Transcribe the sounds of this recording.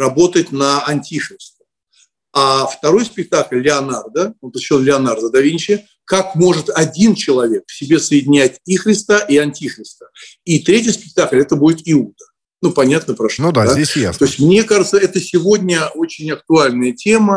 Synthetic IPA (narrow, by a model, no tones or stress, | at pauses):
rɐbo̞t̪ətʲnəɐnʲtʲixɾʲɪst̪ə̥ | aft̪ɐɾo̞jspʲɪk̚t̪aklʲːɪɐnard̪əopʲonlʲɪɐnard̪əd̪ɐvʲinʲt͡ɕɪ | kakmo̞ʐɨt̪ɐdʲint͡ɕɪlˠɐvʲe̞kfsʲɪbʲe̞səjɪdʲɪnʲætʲixɾʲɪst̪əʔiɐnʲtʲixɾʲɪst̪ə̥it̪ɾʲetʲɪjspʲɪk̚t̪aklʲɛt̪əbudʲɪt̪ɪud̪ə | nupɐnʲat̪nəpɾaʂnd̪ad̪aesjat̪o̞ɪsʲtʲmnʲe̞kaʐɨt̪səɛt̪əsʲɪvo̞dʲnʲəo̞t͡ɕɪnʲɐk̚t̪ʊalʲnəjətʲe̞mə